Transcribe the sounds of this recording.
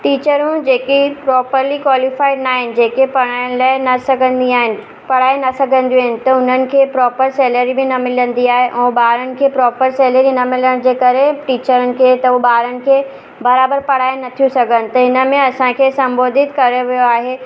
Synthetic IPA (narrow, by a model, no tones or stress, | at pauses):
ʈiːt͡ɕəɾũd͡ʑeːkipɾɔːpəɾlikwaːlɪfaːɪɖnaːɦɪnɪ̆d͡ʑeːkepɐɽ̃aɽ̃laːɪnɐsɐɡʱə̃nd̪iaːɦɪnɪ̆ | pɐɽaːenɐsɐɡʱə̃nd̪iːɦɪnɪ̆t̪ɐʊn̤ənɪ̆kʰeːpɾɔːpəɾsɛːləɾibɪnɐmɪlə̃nd̪iaːɦeʔɛ̃ːɓaːɾənɪ̆kʰeːpɾɔːpəɾsɛːləɾinɐmɪləɽ̃d͡ʑeːkɐɾeʈiːt͡ɕəɾənɪ̆kʰeːt̪ɐubaːɾənɪ̆kʰeː | bɐɾaːbəɾpɐɽ̤aːenɐt̪ʰijũsɐɡʱənɪ̆t̪ɐɦɪnəmẽɐsãkʰeːsɐ̃mboːd̪ɪt̪kɐɾeʋijoaːɦeː